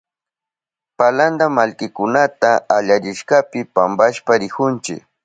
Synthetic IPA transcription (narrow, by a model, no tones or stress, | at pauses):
paland̪amalkɪkʊnat̪aːʎaɾɪʃkapɪpambaʃpaɾɪkʊnt͡ʃɪ̰k